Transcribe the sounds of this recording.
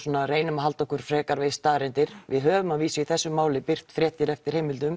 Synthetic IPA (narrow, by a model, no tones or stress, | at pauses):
sɔːnareːjnʏmaɦalt̪ɔhkʏɾ̥fɾɛːkaɾvejst̪aːɾɛnt̪ɪɾ̥vɪðɦœːvʏmaðviːsʏiθɛsːʏmːaːwlɪpɪr̥t̪fɾɛːht̪ɪɾɛft̪ɪɾ̥heːjmɪlt̪̬ʏm